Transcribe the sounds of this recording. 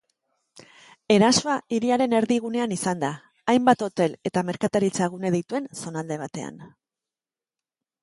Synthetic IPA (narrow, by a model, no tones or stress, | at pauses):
e̞ɾasoaiɾiaɾe̞ne̞ɾðiɣ̞une̞anisand̪aː | jmbat̪o̞t̪e̞le̞t̪ame̞ɾkat̪aɾit͡saɣ̞une̞ð̞ejt̪ue̞nso̞nald̪e̞β̞at̪e̞̰a̰n